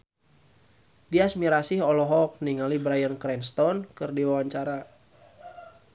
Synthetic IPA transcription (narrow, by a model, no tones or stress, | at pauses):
diasmiɾasiɦɔlɔɦɔk̚niŋalibɾajənkɾɛnst̪ɔnkɨrdiwawaɲt͡ʃaɾa